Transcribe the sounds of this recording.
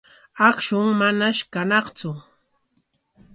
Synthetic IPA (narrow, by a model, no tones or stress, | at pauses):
ɑkʃʊŋmanaʃkanɑχt͡sʊ